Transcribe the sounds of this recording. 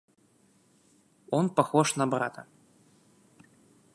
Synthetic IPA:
ɔnpaxɔʂnɐbɾa̰t̪ʰɐ̰

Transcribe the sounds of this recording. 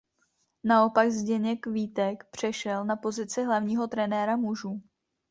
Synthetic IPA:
nao̞paɡzɟɛɲɛkviːt̪ɛkpr̝̥ɛʃɛlnapo̞zɪt͡sɪɦlavɲiːɦo̞t̪ɾɛnɛːɾamuʒuː

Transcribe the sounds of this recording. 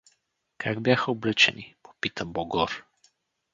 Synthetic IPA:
kʰaɡbʲjaxəoblɛt͡ʃɛ̰nipo̥pit̪əbɔɡɔɾ

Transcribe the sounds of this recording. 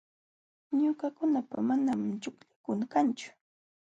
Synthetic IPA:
ɲʊkakʊnapamanamt͡ʃʊkʎakʊŋkant͡ʃʊ̥

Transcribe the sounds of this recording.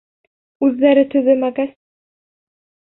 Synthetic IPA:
ʉðːæɾɘt̪ɵ̆ðɘmæɡæs

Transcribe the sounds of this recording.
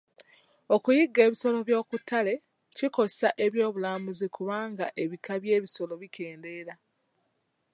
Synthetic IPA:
o̞kujiɡːe̞ːβiso̞lo̞βjo̞ːkutʰːale̞ | ciko̞saʔe̞βjo̞ːβulaːmuzikuβaːŋɡaʔe̞βikaβje̞ːβiso̞lo̞βike̞ːnde̞ːɾa

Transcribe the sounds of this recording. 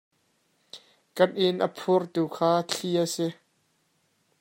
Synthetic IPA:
kɐt̚ʔɪnʔə̰pʰʊrt̪uːkʰaːt͡ɬʰiasɪ

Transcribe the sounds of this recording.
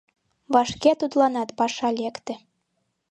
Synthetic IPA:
βɑʃket̪ud̪lɑnɑt̪pɑʃɑlʲekt̪ĕ

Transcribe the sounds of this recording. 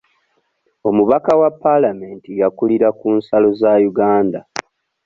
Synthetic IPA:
o̞muβakawapːalame̞ːntijakuliɾakuːnsalo̞zajuɡaːnda

